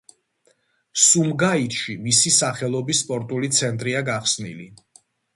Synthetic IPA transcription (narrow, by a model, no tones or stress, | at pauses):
sumɡait̪ʃimisisaχɛlˠɔbisːpʼɔɾt̪ʼulit̪sʰɛnt̪ʼɾiaɡaχsnḭlḭ